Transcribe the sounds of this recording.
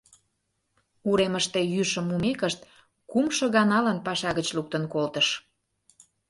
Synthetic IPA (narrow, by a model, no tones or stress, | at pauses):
uɾeməʃt̪e̽jyʃə̆mumekəʃt̪̚ | kumʃŏɣɑnɑlənpɑʃɑɣət͡ɕluk̚t̪ənkolt̪əʃ